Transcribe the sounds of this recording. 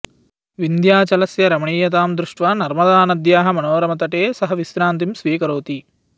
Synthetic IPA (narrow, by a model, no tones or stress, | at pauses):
ʋind̪jaːt͡ʃɐlɐsjɐɾɐmɐɳiːjɐt̪aːmd̪ɾuʂʈʋaːnɐɾmɐd̪aːnɐd̪jaːɦɐ̆mɐnoːɾɐmɐt̪ɐʈeːsɐɦɐʋisɾaːnt̪̬imsʋiːkɐɾoːt̪i